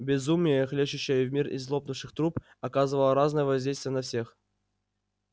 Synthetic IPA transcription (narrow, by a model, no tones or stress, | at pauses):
bʲɪzumʲɪjəxlʲeɕʊɕːəjəvʲmʲirḭzlˠop̚nʊfʂɨxt̪ɾup | ɐkazɨvəlˠəɾaznəjəvɐzʲdʲejst̪vʲɪjənɐfsʲe̞x